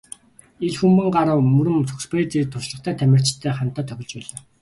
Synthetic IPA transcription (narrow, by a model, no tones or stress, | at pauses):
eɮxumpɘ̆ɴɢaɾə̆wmɵɾɘ̆mt͡sʰʊkspret͡siːt̪ʰʊʃɮə̆χt̪ʰæːt̪ʰæmʲɪ̆r̥t͡ɕt̪ʰːæːχan̥t̪ːaːt̪ʰœxʲɪ̆ɮt͡ɕpæːɮaː